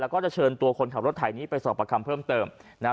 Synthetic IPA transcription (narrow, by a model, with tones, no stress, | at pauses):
lɛ˦˥wkɔː˥˩t͡ɕa˨˩t͡ɕʰɤː˧nt̪u˧ɐkʰo˧nkʰa˨˩p̚ɾt̪ʰːa˨˩jniː˦˥pa˧jsɔː˨˩pɾa˧kʰa˧mpʰɤː˥˩mt̪ɤː˧mna˦˥